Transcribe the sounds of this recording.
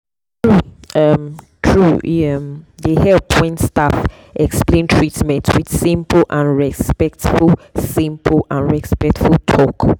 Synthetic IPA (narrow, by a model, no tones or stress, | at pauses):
tɹuʌm | tʰɹuʌmdehɛlpʰɔ̃ɪ̃nstaf | ʔɛksplẽntʰɹ̥itmɛ̃ntwid̥sĩmpl̩ˠʔãnɹɛspɛk̚tfulˠsĩmpʰl̩ãnɹɛspɛk̚tfulˠtʰɔk